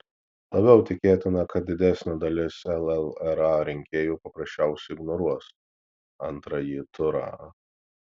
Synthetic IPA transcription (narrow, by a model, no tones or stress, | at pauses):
lˠɐbʲɛʊt̪ʲɪkʲeːt̪ʲɪnɐkɐt̪̚d̪ʲɪd̪ʲɛsʲnʲoːd̪ɐlʲɪsɛlˠɛlˠɛɾɑːɾʲɪŋʲkʲeːjuːpɐpɾɐsʲt͡ʃʲɛˑʊsʲɛɪɡnɔɾuɔs | ɐnt̪ɾɐjit̪ʊɾɑ̰